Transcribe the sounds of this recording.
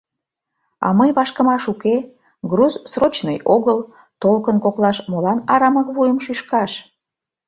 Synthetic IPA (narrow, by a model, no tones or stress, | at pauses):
ɑ̰məjβɑʃkəmɑʃuke | ɡruzsrot͡ɕnəjʔoɣəl | t̪olkənkoklɑʃmolɑnɑɾɑmɑkβujəmʃyʃkɑʃ